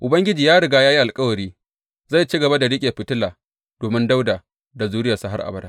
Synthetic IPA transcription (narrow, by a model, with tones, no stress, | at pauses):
ʔʊ˨bɐ˦ŋɡʲɪ˦d͡ʒiː˨jaː˦ɽɪ˨ɡaː˦jaː˦ji˦ʔa˨lkʼɐ˦wɐ˨ɾiː˦ | za˦˨jt͡ʃi˦ɡɐ˨ba˦da˨ɽɪ˦kʲʼe˨ɸɪ˨tɪ˦laː˨ | d̥oː˨mɪ˦nda˦wdaː˨ | da˨zuː˦ɽɪ˦ja˨sa˦ɦa˦rʔa̰˨bɐ˦da˦ʔ